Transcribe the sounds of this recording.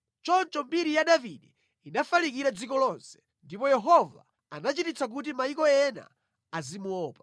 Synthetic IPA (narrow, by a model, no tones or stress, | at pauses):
t͡ʃɔnt͡ʃɔmbiɾijaɗaviɗi | inafalik̬iɾad͡zikɔlɔnsɛ̥ | ndipɔjɛɦɔva̰ | a̰nat͡ʃitit͡sak̬ut̬imaikɔɛna̰ | azimuɔːpḁ